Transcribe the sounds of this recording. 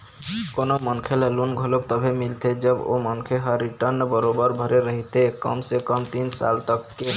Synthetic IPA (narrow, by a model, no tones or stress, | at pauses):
konomənkʰelalunɡʱolob̚t̪ɔbʱemilt̪ʰed͡ʒəbo̰mənkʰeɦəɾiʈəɾnbəɾobəɾbʱɔɾeɾəɦit̪ekə̰msekəmt̪insa̰lt̪əkːe